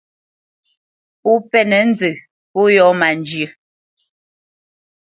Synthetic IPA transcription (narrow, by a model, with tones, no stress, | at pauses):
pu˦pɛ˦nɛ˨n̩˦zə˨ | po˦jɔ˨˦ma˨nd͡ʒjə˨